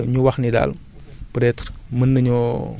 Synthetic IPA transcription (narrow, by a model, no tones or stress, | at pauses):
ɲuwɐxnida̰l | pɾɛtɾmənːɐɲɔ